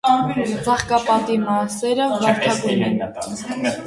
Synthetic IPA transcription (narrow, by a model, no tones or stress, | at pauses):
t͡sɑχkɑpɑt̪imɑsɛɾəvɑɾt̪ʰɑɡumɛn